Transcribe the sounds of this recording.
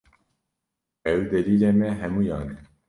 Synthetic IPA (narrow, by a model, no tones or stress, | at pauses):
ɛwd̪ɛliːlɛmɛɦɛmuːjɑːnɛ